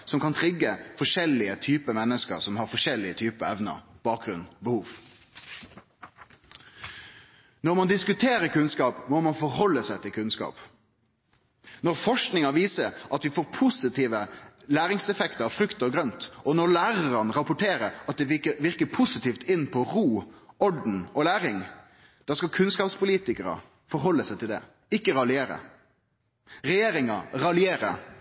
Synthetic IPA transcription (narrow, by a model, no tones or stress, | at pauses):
sɔmkɑnt̪ʰɾɪɡːəfɔʂɛlɪət̪ʰyːpəmɛnːəskə̰ɾsɔmhɑɾfɔʂɛlːɪət̪ʰyːpəɛʋnə̰ɾb̥ɑːk̚ɡɾʉnbəhuːʋ | nɔɾmɑnd̪ɪskʉt̪ʰeːɾəɾkʉnskɑːpmɔmɑnfɔɾɦɔlːəsæɪt̪ʰɪlkʰʉnskɑ̰ːp | nɔɾfɔʂknɪŋɑʋiːsəɾʔɑt̪ʋɪfoːɾpʰʊsɪt̪ʰiːʋəlæːɾɪŋsɛfɛkt̪ɑɾfɾʉkt̪ɔɡɾœnt̪ɔnɔɾlæːɾəɾɑnɾɑpʊʈʰeːɾəɾɑt̪̚d̪ɛʋəʋɪɾkəpʰʊsɪt̪iːft̪ɪnːpʰɔɾuːɔɖn̩ɔlæːɾɪŋ | d̪̥ɑːskɑkʰʉnskɑːpspʰʊliːt̪ɪkəɾə̰ | fɔɾɦɔlːəsæɪt̪ʰɪld̪ɛ̰ | ɪkːəɾɑlɪeːɾə̰ | ɾɛjeːɾɪŋɑɾɑlɪeːɾə̰